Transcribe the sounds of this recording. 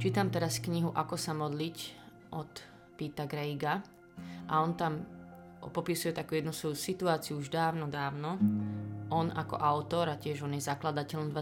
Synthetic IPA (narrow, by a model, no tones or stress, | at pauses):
t͡ʃiːt̪amt̪ɛɾaskɲiɦuʔakɔsamɔd̪lic | ʔɔt̪ | piːt̪aɡɾɛiɡa | ʔaɔnt̪am | pɔpisujɛt̪akuːjɛd̪nusʋɔjusit̪uaːt͡siuuʒd̪aːʊnɔd̪aːʊnɔ | ɔnakɔ̰ʔaʊt̪ɔɾacɪɛʒɔnjɛzaklad̪acɛlɔmd̪ʋa